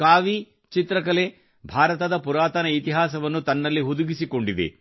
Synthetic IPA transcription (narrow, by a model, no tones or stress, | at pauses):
kaːʋi | t͡ʃit̪ɾɐkɐle | bʱaːɾɐt̪ɐd̪ɐpuɾaːt̪ɐnɐit̪iɦaːsɐʋɐnːut̪ɐnːɐlːiɦud̪uɡisiko̞ɳɖid̪ḛ